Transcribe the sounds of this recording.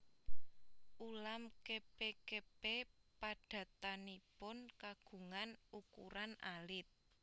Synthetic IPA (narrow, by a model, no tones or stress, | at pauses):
ʔulamkepekepepaɖ̥ä̤t̪anipʊnkaɡ̥ṳŋanukṵɾana̰lɪt̪̚